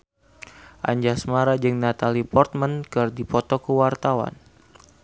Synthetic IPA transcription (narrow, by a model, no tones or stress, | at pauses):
ʔa̰ɲd͡ʒasmaɾad͡ʒɨŋnat̪alipɔrt̪̚mənkɨrdipɔt̪ɔkəwart̪awa̰n